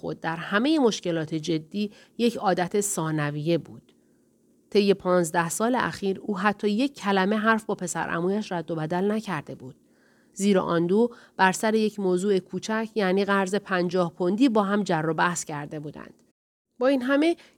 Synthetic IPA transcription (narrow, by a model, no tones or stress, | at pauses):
xo̰d̪̚ːæɾhæme̞je̞mo̞ʃce̞lɒːt̪ʰe̞d͡ʒe̞d̪ːiː | je̞cʰɒːd̪æt̪ʰesɒːnævije̞buːd̪̥ | t̪ʰe̞jːe̞pʰɒːnzd̪æhsɒːlḛʔæ̰xiːɾuːɦæt̪ʰːɒːje̞cʰːælæme̞ɦæɾfbɒːpʰe̞sæ̰ɾʔæ̰muːjæʃɾæd̪ːo̞bæd̪ælnæcʰæɾd̪e̞buːd̪̥ | ziːɾɒ̰ʔɒːnd̪uːb̥æɾsæɾe̞je̞cʰmoːzuːe̞kʰuːt͡ʃʰæcʰjæːniːɣæɾze̞pʰænd͡ʒɒːhpʰond̪iːbɒːɦæmd͡ʒærːɒbæhscʰæɾd̪e̞buːd̪æ̰nd̪̥ | bɒːiːnɦæme̞